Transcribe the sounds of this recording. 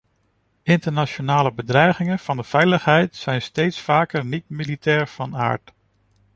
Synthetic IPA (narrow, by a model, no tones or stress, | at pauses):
ɪntəɹnaʃonaːləbədrɛjχɪŋənv̥ɑndəv̥ɛjləχɦɛjtsɛjnstejtsfaːkəɹnitmilitɛːɹv̥ɑna̰ːɹt